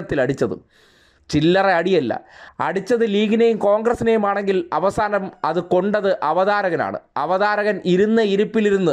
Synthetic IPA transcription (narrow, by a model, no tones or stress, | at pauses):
ɐt̪ːilɐɽit͡ɕːɐðṵ | t͡ɕilːɐreɐɽijɐlːɐ̰ɐ̰ɽit͡ɕːɐðɨliːɣinɐjumko̞ːŋɡrɐsinejumaːɳe̞ŋɡilɐʋɐsaːnɐmɐðɨko̞ɳɖɐðɨʔɐʋɐðaːɾɐɣɐna̰ːɳɨ̰ɐʋɐðaːɾɐɣɐniɾunːɐiɾupːiliɾunːu